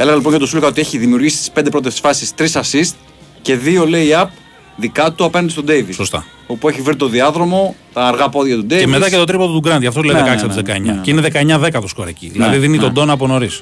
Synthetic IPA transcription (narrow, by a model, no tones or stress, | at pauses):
eleɣɐlipo̞nʝɐt̪osulkɐot̪ieçiðimiuɾʝisi̥t̪ispnd̪epɾo̞t̪̬essfɐssist̪ɾisɐsist̪ | ce̞ðio̞le̞iiɐp̚ | ðikɐt̪uɐpenɐnd̪est̪od̪eivisost̪ɐ̰ | opueçivɾit̪o̞ðiɐðɾo̞mo̞t̪ɐːɾɣɐpo̞ðjʝɐt̪ud̪evemet̪ɐcet̪o̞t̪̬ɾipot̪ot̪uɡɾɐnt̪ʝɐft̪oleðekɐksɐt̪izðekɐeɲɐ̰ceineðekɐeɲɐðe̞kɐt̪oskoɾecḭðinɐðiðinit̪od̪o̞nɐp̬ono̞ɾis